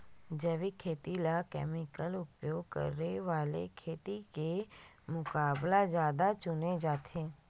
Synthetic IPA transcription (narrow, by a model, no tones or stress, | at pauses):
d͡ʒɛʋikʰeːt̪ilakɛ̰ːmɪkəlʊpjoːɡ̚kə̰ɾːeʋaːlḛkʰeːt̪ike | mʊkaːblazjaːd̪at͡ʃʊned͡ʒaːt̪ʰeː